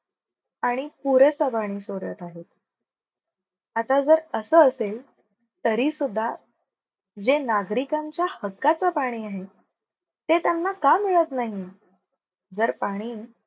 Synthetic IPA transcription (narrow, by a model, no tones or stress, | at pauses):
aɽ̃ipuɾəsəbaɽ̃iːsoɾə̰t̪aɦet̪ | at̪ad͡zəɾəsəːəsel | t̪əɾiːsud̪ʱːa | d͡zenaɡɾikaɲt͡ɕjahəkːat͡səpaɽ̃iːaɦe | t̪et̪janːakamiɭət̪naɦi | d͡zəɾpaɽ̃iː